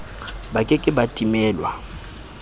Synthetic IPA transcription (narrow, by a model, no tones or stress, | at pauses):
bakʼɛkʼɪbatʼimɛːlwa̰